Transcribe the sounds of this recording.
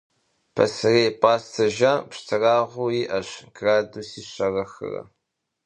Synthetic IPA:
pʰɐ̰sɨreːpʼaːstʰɐʒapʂtʰɨraːʁʷʊjiːʔɐɕɡraːduːsiːɕɐrɐxɨ̰rɐ̰

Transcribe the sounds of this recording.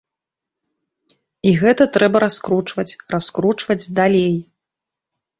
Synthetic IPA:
iɣɛt̪ɐt̪ɾɛbɐɾaskɾut͡ʂvɐt͡sʲraskɾut͡ʂvɐd͡zʲd̪alʲej

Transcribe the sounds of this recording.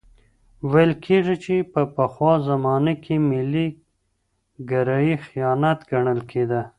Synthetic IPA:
wajlkʰeʐit͡ʃepəpəxwɑzamɑnakʰemɪli | ɡaɾɑjixijɑnat̪ɡaɳəlkʰed̪ə

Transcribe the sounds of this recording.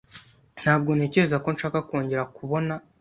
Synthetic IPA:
n̥haːb̚ɡo̞ne̞ce̞ezako̞nʃaːkako̞ːɲɟe̞ɾakuβo̞na

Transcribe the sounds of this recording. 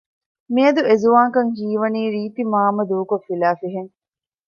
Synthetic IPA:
miɐd̪uezuʋaːŋkɐŋhiːʋɐniːɾiːt̪imaːmɐd̪uːkofilaːfiɦeŋ

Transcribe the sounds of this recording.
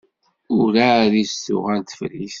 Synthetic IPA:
ʊɾaɾisʊ̰ʁænt̪ə̥fɾis

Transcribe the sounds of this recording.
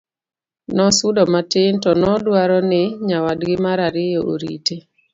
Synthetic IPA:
nɔsʊdɔmatɪntɔnɔdwaɾɔnɪɲawadɡɪmaɾaɾɪjoʔo̰ɾḭte

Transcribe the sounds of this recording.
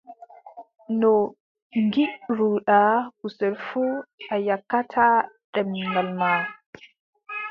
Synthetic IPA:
nɔ | ŋɡiʔɾuɗakusɛlfuʔajakːatʰaɗɛmŋɡalma

